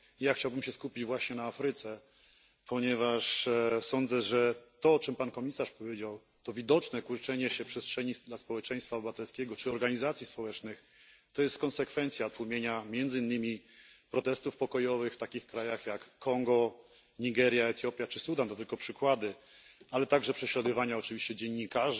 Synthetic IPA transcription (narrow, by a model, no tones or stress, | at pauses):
jaxt͡ɕawbɘmɕɛskupʲid͡ʑvwaɕɲɛnaafɾɘt̪sɛ | pʰɔɲɛvaʂsɔnd̪zɛʐɛt̪ɔɔt͡ʂɛmpankɔmʲisaʂpɔvʲjed͡ʑaw | t̪ɔvʲid̪ɔt͡ʂnɛkuɾt͡ʂɛɲɛɕɛpʂɛstʂɛɲid̪laspɔwɛt͡ʂɛj̃st̪fabɛvat̪ɛlskʲɛɡɔt͡ʂɘɔɾɡaɲizat̪sʲjispɔwɛt͡ʂnɘx | t̪ɔjɛst̪kɔnsɛkfɛnt̪sʲjat̪wumʲjeɲamʲjɛnd̪zɘinːɘmʲipɾɔt̪ɛst̪ufpɔkɔjɔvɘxft̪akʲixkɾajaxjakːɔŋɡɔ | ɲiɡɛɾʲjaɛt̪jɔpʲjat͡ʂɘsud̪ant̪ɔt̪ɘlkɔpʂɘkwad̪ɘ | alɛt̪aɡʐɛpʂɛɕlad̪ɔvaɲaɔt͡ʂɘvʲiɕt͡ɕɛd͡ʑɛɲːikaʐ